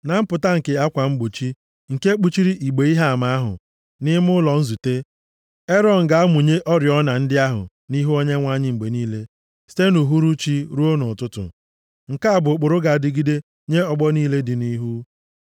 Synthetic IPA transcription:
na˨m̩˦pʊ˨ta˦ŋ̩˨ke˨a˦kʷa˨ŋ͡m̩˦ɡ͡bʊ˨t͡ʃi˦ | ŋ̩˨ke˦k͡pu˦t͡ʃi˦ɾi˦ʔi˨ɡ͡be˨i˦ɦa˦a˨ma˨a˦ɦʊ̰˨ | nɪ˦m˦ʊ˦lɔ˨n̩˦zu˨te˦ | e˦ɾɔ˦n̩˨ɡa˨a˦mʊ˨ɲe˦ʔɔ˦ɾjɔ˦na˨n̩˦dɪ˦a˦ɦʊ̰˨ | ni˦ɦu˦o˦ɲe˦ŋʷa˦ɲɪ˦ŋ͡m̩˨ɡ͡be˨niː˦le˦ | si̥˦te˦nu˨ɦu˦ɾu˦t͡ʃi˦ɾu˦o˦nʊ˨tʊ˦tʊ̰˨ | ŋ̩˨ka˦a˨bʊ˨k͡pʊ˨ɾʊ˦ɡa˨dɪ˦ɡi˦de˦ | ɲe˦ɔ˦˨ɡ͡bɔ˦niː˦le˦dɪ˨ni˦ɦu˦

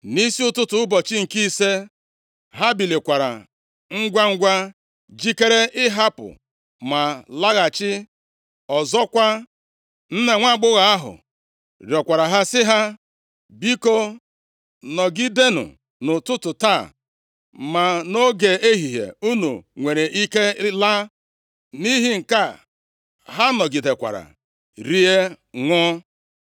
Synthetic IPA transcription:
ni˦si˦ʊ˦tʊ˦tʊ˨ʊ˦bɔ˨t͡ʃɪ˦ŋ̩˨ki˦i˦se˦ | ɦa˦bi˨le˨kʷa˨ɾa̰˨ | ŋ̩˦ɡʷa˦ŋ̩˦ɡʷa˦ | d͡ʒi˦ke˦ɾe˦ɪ˦ɦa˦pʊ̰˨ | ma˨la˦ɣa˨t͡ʃɪ˦ | ɔ˨zɔ˦kʷa˦ | n̩˦ne˨ŋʷa˦˨ɡ͡bʊ˦ɣa˨a˦ɦʊ̰˨ | ɾjɔ˨kʷa˨ɾa˨ɦa˦sɪ˦ɦa˦ | bi˦ko˦ | nɔ˨ɡi˦de˦nʊ̰˨ | nʊ˨tʊ˦tʊ˨ta˦˨ | ma˨no˦ɡe˨e˦ɦi˨ɦḛ˨u˦nu˨ŋʷe˨ɾe˨ʔi˦ke˦la˦ | ni˦ɦi˦ŋ̩˨ka˦˨ | ɦa˦nɔ˨ɡi˨de˨kʷa̰˨ɾa̰˨ | ɾi˦e˦ | ŋʷʊ˦

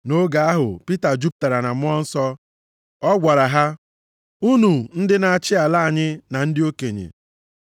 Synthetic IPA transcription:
no˦ɡa˨a˦ɦʊ̰˨pi˦ta˨d͡ʒu˦p̚ta˨ɾa˨na˨m̩˦ɔ˦n̩˦sɔ˦ | ɔ˦ɡʷa˨ɾa˨ɦa˦ | u˦nu˨n̩˦dɪ˦na˨a˨t͡ʃɪ˦a˨la˦a˨ɲɪ˦na˨n̩˦dɪ˦o˦ke˨ɲḛ˨

